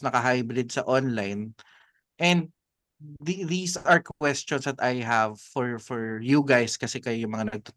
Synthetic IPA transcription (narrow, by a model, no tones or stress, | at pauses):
nɐkɐɦajbɾɪd̪̚sɐʔonlajn | ʔɛ̃nd̪̚ | ðiðiːsaɹkwɛst͡ʃɔnsd̪ɐt̪ajɦɐvfɔɹfɔɹjuɡajskɐsɛkɐjojʊŋmɐŋanɐɡ̚t̪o